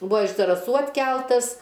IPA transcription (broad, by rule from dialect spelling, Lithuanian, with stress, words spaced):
ˈbuɔ ɪʃ zɐrɐˈsuː ɐtʲˈkʲɛlˠtɐs